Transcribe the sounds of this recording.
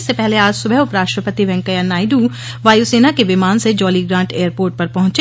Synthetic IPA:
sːepɛɦleaːd͡ʒsʊbʱəɦʊpɾaːʃʈɾəpət̪iʋɛ̃ŋkəjanaːɪɖu | ʋaːjuseːnakeʋɪmaːnsed͡ʒɔːliɡɾãːɳʈʰeːjəɾpoːɾʈ̚pɐɾpɐɦʊ̃t͡ʃe

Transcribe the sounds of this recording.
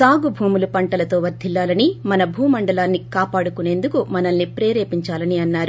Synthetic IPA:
saːɡubʱuːmulupɐɳʈɐlɐt̪o̞ːʋɐɾd̪ʱːilːaːlɐnimɐnɐbʱuːmɐɳɖɐlaːnːikaːpaːɽukune̞ːnd̪ukumɐnɐnːipɾeːɾeːpiɲt͡ʃaːlɐniɐnːaːɾu

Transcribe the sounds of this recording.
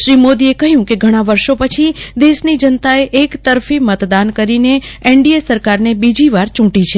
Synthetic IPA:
ʃɾimod̪iekəɦjũkeɡʱəɽ̃aʋəɾʃopət͡ʃʰid̪eʃnid͡ʒənt̪aeʔekt̪əɾfimət̪d̪ankəɾineeɳɖiesəɾkaɾnebid͡ʒiʋaɾt͡ʃũʈit͡ʃʰe

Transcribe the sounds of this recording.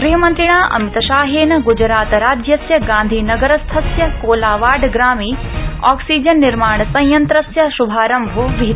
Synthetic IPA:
ɡɾiɦɐmɐnt̪ɾiɳaːʔɐ̰mit̪ɐʃaːɦeːnɐɡud͡ʒɾaːt̪ɾaːd͡ʒjɐsjɐɡãːnd̪ʱiːnɐɡɐɾɐst̪ʰɐsjɐkoːlaːʋaːɾɖɡɾaːmiː | ɔːksiːd͡ʒɐnːiɾmaːɳɐsɐ̃jjɐnt̪ɾɐsjɐʃubʱaːɾɐmbʱoʋiɦt̪

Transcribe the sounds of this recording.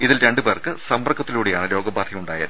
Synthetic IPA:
iðilɾe̞ɳɖɨpe̞ːrkɨsɐmbɐrkʰːɐt̪ːiluːɽejaːɳɨɾo̞ːɡɐbaːt̪rijuɳɖaːjɐð

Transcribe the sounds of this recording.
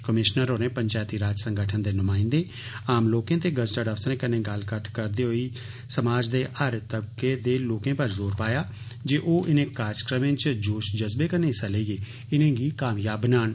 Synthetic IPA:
kəmɪʃnəɾoːnẽːpəɲt͡ʃaːt̪iːɾaːd͡ʒsə̃ŋɡəʈʰənd̪eːnʊmãːɪ̃nd̪eː | aːmloːkẽːt̪eːɡəzʈəɖəfsnẽːkənẽːɡəlkəʈ̪ʰkəɾd̪eːɦoiː | səmaːd͡ʒd̪eːʔəɾt̪əbkeːd̪eːloːkẽːpəɾzoːɾpaːjaː | d͡ʒeːʔoːʔɪnẽːkaːɾskɾəmẽːt͡ʃd͡ʒoːʃd͡ʒəzbeːkənẽːsaleːiːeː | ɪnẽːɡiːkaːmjaːbənaːn

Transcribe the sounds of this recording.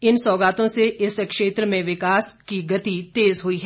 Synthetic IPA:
ɪnsɔːɡaːt̪õseʔɪskʃeːt̪ɾəmẽʋɪkaːskiɡɐt̪it̪eːzɦʊiɦɛː

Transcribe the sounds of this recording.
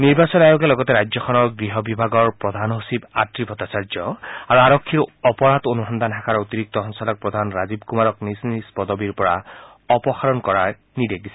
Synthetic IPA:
niɹbasɔnajoɡɛlɔɡɔtɛɾajd͡ʑjɔkʰɔnɔɹɡɹiɦɔbibʱaɡɔɹpɹɔd̪ʱanosiba̰tɹibʱɔt̪asaɹd͡ʒɔaɹuaɹɔkʰːiɹɔpɔɹat̪onuɦɔnd̪antʰakʰaɹot̪iɹik̚t̪ɔɦɔŋsɔlɔk̚pɹɔd̪ʱanɹazibkumaɹɔknisnispɔd̪ɔbiɹpɔɹa | ɔpɔxaɹɔnkɔɹa | nidek̚disɛ

